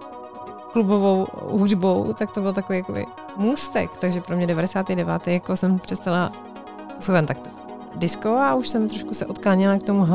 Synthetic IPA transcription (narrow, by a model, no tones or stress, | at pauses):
klubovowɦudbowt̪akt̪obɪlt̪ako̞vijako̰bɪ̰ | muːst̪ɛ̰kt̪aɡʒɛpɾomɲɛdɛvadɛsaːt̪idɛva̰ːt̪ɛjjakosɛmpr̥ɛst̪ala | osozant̪akt̪o̥ | dɪskowauʃsɛmt̪ɾoʃkusɛʔot̪kaːɲɛlakt̪o̞muɦ